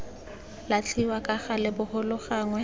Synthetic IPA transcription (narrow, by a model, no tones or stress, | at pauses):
lat͡ɬʰʼiwakʼaχalɪbʊhʊlʊχaŋwɛ